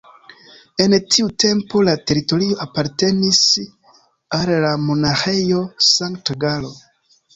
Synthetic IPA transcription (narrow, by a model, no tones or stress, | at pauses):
e̞ntʰiute̞mpo̞late̞ɾito̞ɾio̞ʔapaɾte̞nis | alːamo̞naxe̞josaŋktɡalo̞